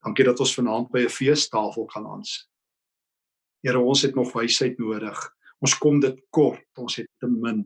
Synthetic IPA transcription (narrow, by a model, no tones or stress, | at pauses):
d̥ɐŋkidɐtɔnsfənɑːnt̚bəjəfiəstɑːfəlˠkɐnɐ̰nsə̥t | ɦjiəɾəɔnsɦɛtnɔχvəjsəjtnuəɾəχ | ɔnskɔmdətkɔrtɔnsɦɛtːəmən